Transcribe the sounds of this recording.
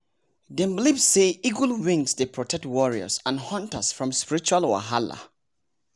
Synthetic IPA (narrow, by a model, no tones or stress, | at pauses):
dɛ̃mblibsːeiɡwəlwĩŋsdepʰɹɔtʰɛk̚twɔɹiə̰sãnhɔ̃ntəsfɹɔ̃mspiɹit͡ʃualwa̰ɦala̰